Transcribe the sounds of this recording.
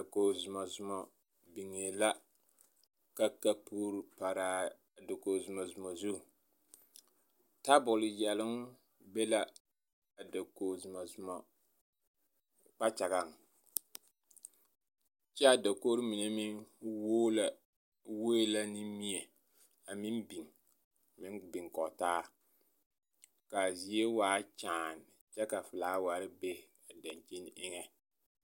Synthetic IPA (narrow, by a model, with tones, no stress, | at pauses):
a˨ko˨zʊ˨ma˨zʊ˨mɔ˨ | bi˨ŋe˨la˦ | ka˦ka˦puː˦ɾɨ˨pa˨ɾaː˨ | da˨koː˨zʊ˨mɔ˨zʊ˨mɔ˨zu˦˨ | ta˦bʊ˨lɨ˨jɛ˨lɪ˦ŋ | bɛ˦la˦ | a˨da˨koː˨zʊ˨ma˨zʊ˨mɔ˨ | k͡pa˦t͡ʃa˨ɡa˨ŋ˨ | t͡ʃɛ˦a˨da˨koː˦ɾɪ˦mi˨ne˦mɪ˦ŋwoː˦la˨ | we˦e˦la˦nɪ˦mi˦e˨ | a˨mɪ˦nbi˨ŋ˨ | mɪ˦ŋbɪ˨ŋkɔ˨taː˦ | ka˨zi˨e˦waː˨˦t͡ʃaː˨n˨ | t͡ʃɛ˦ka˨fɨ˨laː˨˦wa˨˦ɾɪ˦be˦ | a˨da˨nt͡ʃe˦n˦ʔɪ˦ŋɛ˦